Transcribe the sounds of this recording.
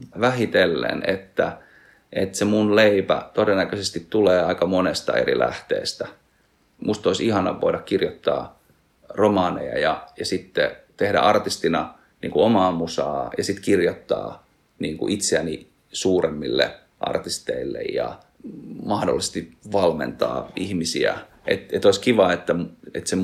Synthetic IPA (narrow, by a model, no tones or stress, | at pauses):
ʋæhit̪elːḛnet̪ːæ | ʔet̪semunleipæ̰t̪odenːækøsest̪it̪tuleːɑikɑmonest̪ɑ̰eɾḭlæ̰ht̪ḛːst̪æ | mʔust̪oisihɑnɑ̰ʋʋʔoiɾɑkkirjot̪ːɑ̰ː | romɑːnḛjɑ̰jɑjɑsit̪ːet̪ehdæ̰ʔɑrt̪ist̪inɑ | nḭːŋkuomɑːmusɑːjɑsit̪kirjot̪ːɑ̰ː | niːŋkṵʔit̪seæni | suːremːilːḛ | ʔɑ̰rt̪ist̪eilːḛjjɑ̰ | mɑhdo̰lːˑise̥st̪iʋɑlmḛnt̪ɑ̰ːihmisiæ̰ | ḛt̪et̪oiskiʋɑet̪ːæmet̪se